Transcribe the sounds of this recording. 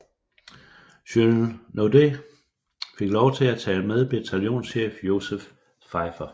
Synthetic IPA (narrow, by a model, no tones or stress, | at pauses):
ɕønnode̝ | fe̝ɡ̥lɒʊt͡sʰe̝læt͡sʰɛ̰ːlmeð̞ˠb̥et͡sʰæljo̝̰ːnsɕḛːfjo̝sef | fɑ̈ɪfɐ